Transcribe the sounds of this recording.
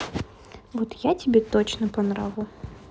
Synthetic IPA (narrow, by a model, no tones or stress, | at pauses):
vot̪jatʲɪbʲet̪ot͡ɕnəpɐnɾa̰vʲʊ